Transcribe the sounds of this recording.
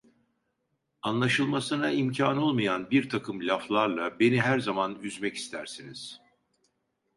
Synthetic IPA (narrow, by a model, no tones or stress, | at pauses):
anlˠaʃɯlˠmasɯnaimcʰaːno̞lˠmajanbiɾt̪ʰakʰɯmlʲaflˠaɾlˠabe̞niɦæɾzamanyzmɛci̥st̪ʰæɾsiniz̥